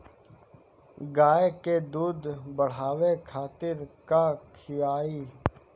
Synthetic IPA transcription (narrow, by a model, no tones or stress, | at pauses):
ɡaːeked̪uːd̪bəɽ̤aːʋekʰaːt̪ɪɾkakʰɪjaːi